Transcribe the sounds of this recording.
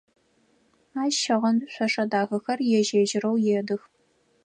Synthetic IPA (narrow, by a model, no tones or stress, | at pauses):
aːʃɐʁɐnɕʷɐʂɐdaːɣɐxɐrjɛʒeːʒɪrɐwjeːdɨx